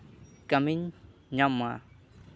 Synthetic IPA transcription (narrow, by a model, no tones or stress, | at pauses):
kamɪɲɲama